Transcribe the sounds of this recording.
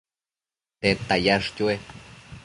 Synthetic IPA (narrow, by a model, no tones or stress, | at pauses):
t̪et̪ajaʂc̪ʲue